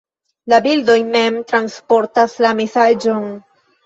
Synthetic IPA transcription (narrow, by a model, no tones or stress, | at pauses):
labildo̞jme̞mtɾanspo̞ɾtaslamesad͡ʒon